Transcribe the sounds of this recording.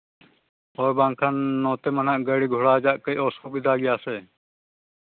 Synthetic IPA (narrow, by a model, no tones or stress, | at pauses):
ɔɾbãŋkʰanːɔ̃ːt̪emənaʔɡəɽiɡʱɔɽaːd͡ʒaʔkəjɔːsuːbid̪ʱaːɡɛjaːseː